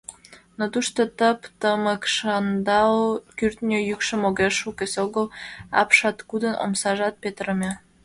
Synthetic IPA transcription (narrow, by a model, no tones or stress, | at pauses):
not̪uʃt̪ot̪əpt̪əməkʃɑnd̪ɑlkyrt̪nʲøjykʃəmoɣeʃukesʲoɣəlɑ̰pʃɑt̪kud̪əno̰msɑʒɑt̪̚pet̪əɾə̆mʲe